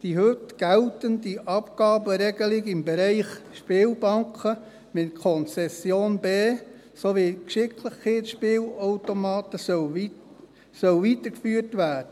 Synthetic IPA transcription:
d̥iɦøtɡ̥ɛltəndiʔɑpɡ̥ɑːbəɾɛɡəlɪɡɪmbɛɾɛɪχʃpɪːlbɑŋkʰə | mɪt̚kʰɔnt͡sɛsjoːnbeː | soʋikʃɪkʰləχeːtʃpɪːloʊtomɑːtə | sœlʋit̪əkfyːərtʋæːd̥ə

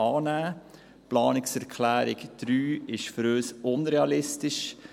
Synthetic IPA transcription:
ɑːnæː | plɑːnɪksɛɾkʰlæːɾɪɡd̥ɾyːɪʃfəɾøʏsʊnɾeɑlɪstɪʃ

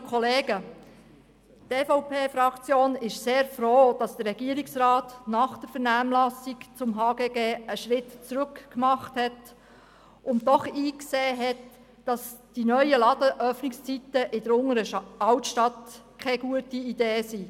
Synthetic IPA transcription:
kʰɔleːɡ̥ə | teːfoʊpʰeːfɾɑkt͡sjoːnɪʃseːɾfroːd̥ɑsd̥əɾːɛɡ̥iəɾɪksrɑːtnɑχd̥əɾfɛɾnæːmlɑsɪkt͡sʊmɦɑːɡeːɡeːəʃɾɪtt͡sɾʉkkmɑχthɛt | ʔʊntdɔχiːkseːɦɛt | d̥ɑsd̥inœʏəlɑd̥əʔœfnɪkst͡sit̪əʔɪdəɾʊŋəɾəɑwtʃtɑtkʰɛɡuətiideːsi

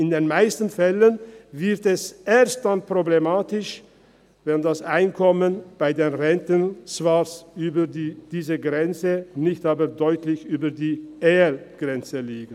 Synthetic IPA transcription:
ɪndeːnmaɪstn̩fɛlənvɪʁtɛsʔeːɐst̚d̥anpʁ̥oblemaːtɪʃ | vɛndasaɪnkʰɔmənb̥aɪdeːnʁɛntənsvasyːbədiːd̥iːzəɡʁɛnt͡sənɪçtaːbədɔʏtʰlɪçyːbədiːʔeɛlɡ̥ʁɛnt͡səliːɡt

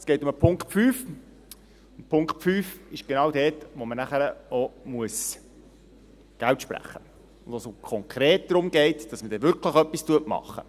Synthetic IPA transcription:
sɡ̥ɛɪtʊməpʰʊŋkχtfyːf | ʊnpʰʊŋkt̚fyːfɪʃɡ̥enɑːwdɛːtʋomənæχəɾəɔmuəs | ɡ̥æltʃpɾæ̰χːə | ʊnd̪ʋosokʰɔŋkʰɾeːt̚d̥̪ɾʊmɡ̥ɛɪtd̥ɑsməd̥ɛʋʏɾkʰləχœpːistuətmɑ̰χːə̰

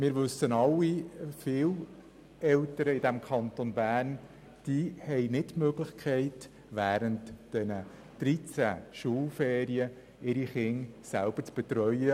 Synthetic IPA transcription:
mɪːɾʋɵsːənɑlːifɪl | ɛltəɾəɪdæmkʰɑntonbæːrn | d̥iːhɛɪnɪtmøɡlɪçkʰɛɪt | ʋæːɾəntd̥ɛnə | d̥ɾit͡sæ̰ʃuːlfɛːɾiə | ɪɾiχɪŋsælb̥əɾt͡sb̥ɛt̪ɾœjə

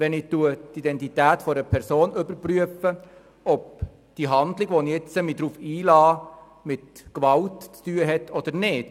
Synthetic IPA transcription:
ʋɛnɪtuət̪id̪ɛntitæːtfɔɾəpʰɛɾsoːnʏbəɾpryəfə | ɔp̚ | d̪̥iɦɑnd̪lɪɡʋoniɪt͡səmid̥̪ɾuːfiːlɑː | mɪtkʋɑltt͡styəɦɛtːʰɔd̥̪əɾnɪːt

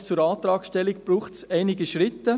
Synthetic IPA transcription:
t͡sʊɾɑːt̪ɾɑːksʃtɛlik̚b̥ɾuːχtsɛɪniɡiʃɾɪt̪ːə

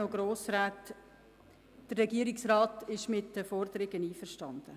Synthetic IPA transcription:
oɡɾoːsɾæːt | d̥ərːɛɡiəɾɪksrɑːtɪʃmɪtdəfɔɾdəɾɪɡəniːfəɾʃtɑnd̥ə

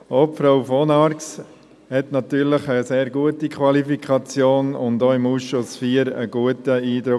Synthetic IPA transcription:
oːpfɾaʊfonɑɾks | hɛtnɑtyːɾləχəseːɾɡuətikʰwɑlifikʰɑt͡sjoːnʊ̰ndoɪmusʃʊsfiːəɾə̰ɡ̥uətəiːd̪ɾʊ

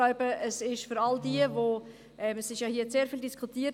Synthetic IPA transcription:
aʊbəʔəsɪʃfyɾɑldiəvo | ʔɛmsɪʃjɑhiːəseːɾfiːldiskʰutiːə

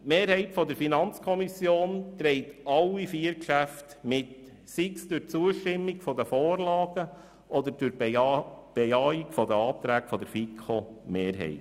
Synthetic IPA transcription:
meːɾhɛɪtfɔdəɾfinɑnt͡skʰɔmisjoːnt̪ɾɛɪtɑlːifiːəɾkʃæftmɪt | sɪksd̥ʊɾt͡suəʃtɪmːiɡfɔd̪əfoːɾlɑːɡ̥ə | ʔɔd̪əɾd̥ʊɾ | b̥ejɑːikfɔdəɑːt̪ɾæːkfɔd̪əɾfikʰomeːɾɦɛ̰ɪt

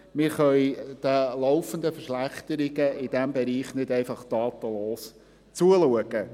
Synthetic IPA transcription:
mɪɾχœjd̥əloʊfənd̪əfəʃlæχt̪əɾɪɡəɪd̥ɛmbɛɾiːχnɪdɛɪfɑχd̪̥ɑːt̪əloːs | t͡suəluəɡə

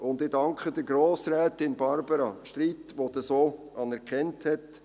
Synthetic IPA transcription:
ʔʊndɪdɑŋkχədəɾɡɾoːsɾɛːtɪnbɑɾbəɾɑʃtɾiːtʋod̥̪əsoːʔɑnɛɾkχɛnthɛt

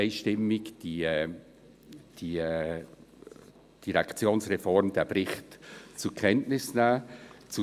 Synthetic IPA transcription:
ɪʃtɪmɪɡd̥i | d̥iː | d̥iɾakt͡sjoːnsʁefɔɾmd̥eːɐbɾɪχtt͡sukʰɛntnɪsnaːt͡su

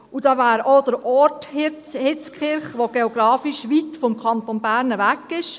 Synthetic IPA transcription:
ud̥ɑːʋæːɾod̪əɾɔɾthɪ | hɪt͡skχɪɾχʋoɡ̥eoɡ̥ɾɑːfiʃʋitfɔmkʰɑnt̪onbæːɾnəvækːɪʃ

